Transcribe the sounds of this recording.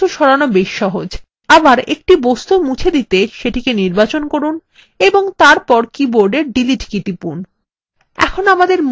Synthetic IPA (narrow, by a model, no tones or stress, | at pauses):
uʃɔɾanobeʃʃɔɦod͡ʑ | abaɾḛk̚ʈibost̪umut͡ɕʰed̪it̪eʃeʈikeniɾbat͡ɕonkoɾun | eboŋt̪aɾpɔɾkiboɾɖeɾɖiliʈkit̪ipun | ɛ̰kʰonamad̪eɾm